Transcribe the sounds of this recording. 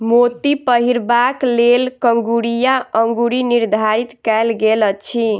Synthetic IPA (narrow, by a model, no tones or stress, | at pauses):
mot̪ipəɦiɾbaklelkəŋɡuɾijaəŋɡuɾiniɾd̪ʱaɾit̪kɛjlɡelət͡ʃʰi